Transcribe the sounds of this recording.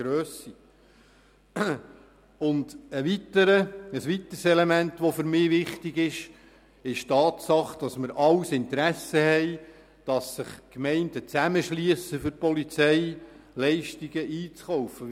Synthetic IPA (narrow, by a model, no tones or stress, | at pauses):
ɾøːsi | ʊndəʋitəɾəəsʋit̪ərsɛlemæntʋɔfʏɾmɪːʋɪχtiɡɪʃ | ɪʃtɑːt̪sɑχd̥ɑsməɾʔɑwsɪnt̪əɾæsəhɛɪ | d̥ɑsːɪχkmɛɪndət͡sæməʃliəsəfʏɾpɔlit͡sɛjlɛɪʃtiɡəʔiːt͡sχɔwfə